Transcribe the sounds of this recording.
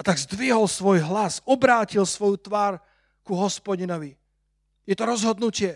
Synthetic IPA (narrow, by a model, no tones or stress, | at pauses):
at̪aɡzd̪ʋiɦɔlsʋɔjɦlasɔbɾaːcilsʋɔjut̪ʋaːɾ | kuɦɔspɔɟinɔʋi | jɛt̪ɔɾɔzɦɔd̪nucɪɛ